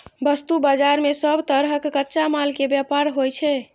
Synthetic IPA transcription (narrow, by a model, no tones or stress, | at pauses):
bəst̪ubad͡ʒaɾmesəbʱt̪əɾɦəkːətːʃamalkebjapaɾɦojt͡ʃʰɛ